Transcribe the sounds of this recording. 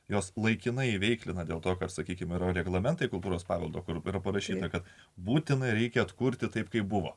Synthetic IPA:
joːslˠɐɪkʲɪnɐɪɪʋʲɛɪklʲɪnɐd̪ʲeːlˠt̪oːkɐpsɐkʲiːkʲɪmɪɾoɾʲɛɡlˠɐmʲɛnt̪ɐɪkʊlˠt̪uːɾoːspɑːʋʲɛlˠd̪oːkʊɾɪɾɐpɐɾɐʃʲiːt̪ɐkɐt̪ | buːt̪ʲɪnɐɪɾʲɛɪkʲɛɐt̪kʊɾʲt̪ʲɪt̪ɐɪpkɐɪp̚bʊʋo̰ː

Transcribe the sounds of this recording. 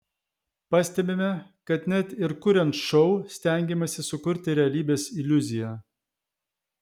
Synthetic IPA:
pɐsʲt̪ʲɛbʲemʲɛkɐt̪nʲɛt̪ʲɪɾkʊɾʲɛnt̪ʃɔʊsʲt̪ʲæˑŋʲɡʲɛmɐsʲɪsʊkʊɾʲt̪ʲɪɾʲɛɐlʲiːbʲeːsɪlʲʊzʲɪjɛ

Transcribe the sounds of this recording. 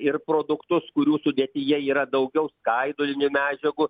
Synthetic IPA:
ɪrpɾoːd̪ʊkt̪ʊskʊɾʲuːsʊdʲeːt̪ʲɪjɛiːɾɐd̪ɐʊɡʲɛʊskɐɪd̪oːlʲɪnʲʊmʲæːd͡ʒʲɛɡʊ

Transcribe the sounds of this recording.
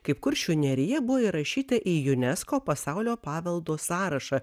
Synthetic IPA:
kɐɪp̚kʊɾʃʲʊnʲɛɾʲɪjɛbʊʋoːiɾɐʃʲiːt̪ɐʔijʊnʲɛskoːpɐsɑˑʊlʲoːpɑːʋʲɛlˠd̪oːsɑːɾɐʃɑ

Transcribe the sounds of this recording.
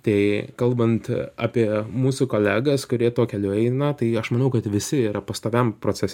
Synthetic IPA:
t̪ɐɪkɐlˠbɐnt̪ɑ̰ːpʲiɛmuːsʊkoːlʲæːɡɐskʊɾʲiɛt̪oːkʲɛlʲʊɛɪnɐt̪ɐɪɐʃmɐnɐʊkɐt̪ʋʲɪsʲɪiːɾɐpɐst̪oːʋʲɛmpɾoːt͡sʲɛsʲ

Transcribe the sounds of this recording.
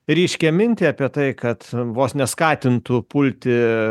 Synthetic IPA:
ɾʲiːʃʲkʲɛmʲɪnʲt̪ʲɪɑːpʲiɛt̪ɐɪkɐt̪ʋoːsnʲɛskɑːt̪ʲɪnt̪ʊpʊlʲt̪ʲɪ

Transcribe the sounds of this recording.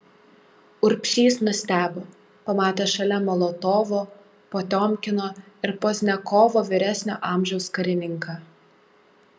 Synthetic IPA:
ʊɾʲpʲʃʲiːsnʊsʲt̪ʲæːboː | pɐmɑːt̪ʲeːʃɐlʲɛmɔlˠot̪oːʋoː | poːt̪ʲoːmʲˑkʲɪnoː | ɪɾposʲnʲɛkoːʋoːʋʲɪɾʲæsʲnʲo̰ːʔɑːˑmʲʒʲɛʊskɐɾʲɪnʲɪŋkɑː

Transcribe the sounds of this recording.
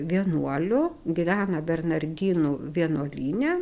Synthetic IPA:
ʋʲiɛnuɔlʲʊɡʲɪʋʲæːnɐbʲɛrnɐɾʲd̪ʲiːnuʋʲiɛnuɔlʲiːnʲɛ

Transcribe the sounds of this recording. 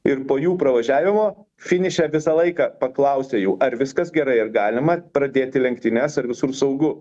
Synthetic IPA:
ɪrpoːjuːpɾɐʋɐʒʲæːʋʲɪmoː | fʲɪnʲɪʃʲɛʋʲɪsɐlˠɐɪkɑːpɐklˠɐʊsʲeːjuːʔɐɾʋʲɪskɐsɡʲɛɾɐɪɐrɡɑːlʲɪmɐpɾɐd̪ʲeːt̪ʲɪlʲɛŋkt̪ʲɪnʲɛsɐɾʋʲɪsʊrsɐʊɡʊ

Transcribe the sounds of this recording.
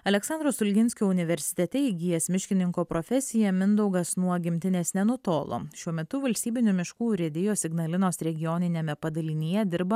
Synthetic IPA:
ɐlʲɛksɑnd̪ɾoːsʊlʲɡʲɪnʲsʲkʲuʊnʲɪʋʲɛɾʲsʲɪ̥t̪ʲɛt̪ʲɛɪɡʲiːjɛsmʲɪʃʲkʲɪnʲɪŋkoːpɾofʲɛsʲɪjɛmʲɪnd̪ɐʊɡɐsnuɔɡʲɪmʲt̪ʲɪnʲeːsnʲɛnʊt̪oːlˠo̰ːʃʲuɔmʲɛt̪ʊʋɐlʲsʲt̪ʲiːbʲɪnʲʊmʲɪʃkuːɾʲɛd̪ʲɪjoːsʲɪɡnɐlʲɪnoːsɾʲɛɡʲɪjoːnʲɪnʲeːmʲɛpɐd̪ɐlʲɪnʲijɛd̪ʲɪɾbɐ

